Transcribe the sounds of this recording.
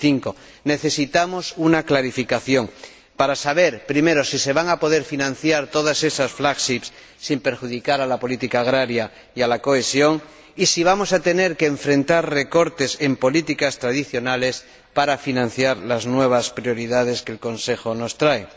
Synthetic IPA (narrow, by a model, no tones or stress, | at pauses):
θiŋko̞ | ne̞θe̞sit̪amo̞sunaklaɾifikaθjo̞ŋ | paɾasaβ̞e̞ɾpɾime̞ɾo̞sise̞βaŋapo̞ð̞e̞ɾfinãn̟θjaɾt̪o̞ðase̞sasflakʃipsː | impe̞ɾxuðikaɾalapo̞lit̪ikaːɣ̞ɾaɾja | ialako̞esjo̞ŋ | isiβ̞amo̞sat̪e̞ne̞ɾkẽːɱfɾẽ̞nt̪aɾre̞ko̞ɾt̪e̞se̞mpo̞lit̪ikast̪ɾaðiθjo̞nale̞s | paɾafinãn̟θjaɾlaznwe̞β̞aspɾjo̞ɾiðað̞e̞skelko̞nsexo̞no̞st̪ɾae